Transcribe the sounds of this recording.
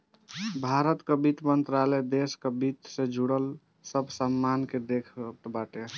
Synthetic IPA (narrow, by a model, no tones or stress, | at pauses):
bʱaɾət̪kəbit̪mənt̪ɾalɛd̪eskəbit̪sed͡ʒʱuɽəl | səbʱsəmːanked̪ekʰʈbaʈe